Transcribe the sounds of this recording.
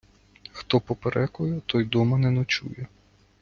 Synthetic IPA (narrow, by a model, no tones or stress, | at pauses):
xt̪ɔpɔpeɾʔɛkɔjɛt̪ɔjd̪ɔmɐnɛnɔt͡ʃṵjɛ